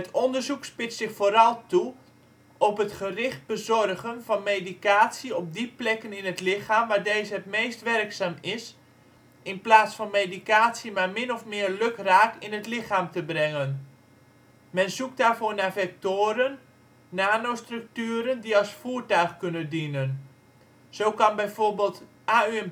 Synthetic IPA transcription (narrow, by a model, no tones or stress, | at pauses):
ətʰɔndərzukspɪtsɪxfoːɾɑlˠtu | ɔpɦətχərɪχt̚b̥əzɔrɣənvɑnmeːdikaːtsiɔb̚diplɛkənɪnətlɪxaːmʋaːɹdeːzəɦətmejstʋɛrksaːmɪs | ɪnplaːsfɑnmejdikaːtsimarmɪnɔfmɪərløkraːkɪnətlɪxaːmtəbrɛŋən | mɛnzuk̚daːrvoːrnafɛk̚toːɾənː | aːnostrɵk̚tyːəɾəndiɑlˠsfuːrtœɥχkɵnəndinən | z̥owkɑnbɛjvorbɪːlˠt | ʔaːyɛm